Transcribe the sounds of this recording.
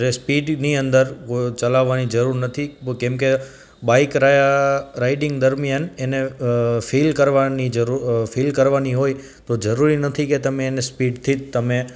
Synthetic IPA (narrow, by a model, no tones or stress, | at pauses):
ɾespiɖniənd̪əɾkot͡ʃəlaʋːanid͡ʒəɾuɾnət̪ʰikɛ̃mke | baikɾajaɾaiɖɪŋɡd̪əɾmijanenefilkəɾʋanid͡ʒəɾufilkəɾʋaniɦoj | t̪od͡ʒəɾuɾinət̪ʰiket̪əmẽːnespiɖt̪ʰid͡ʒt̪əmẽ